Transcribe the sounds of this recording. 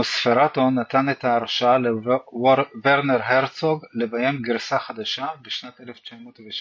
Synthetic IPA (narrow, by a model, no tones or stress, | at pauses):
sfeʁatonat̪anetaːʁʃale | veʁneʁɦeʁt͡soɡlebajemɡiʁsaχad̪aʃabeʃnat̪ʔeleft͡ʃamoːtveʃ